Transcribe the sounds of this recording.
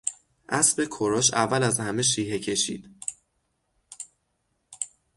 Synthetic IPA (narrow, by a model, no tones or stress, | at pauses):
ʔæsbe̞kʰoɾoʃævːælæzhæme̞ʃ̬iːhe̞cʰe̞ʃḭːd̪̥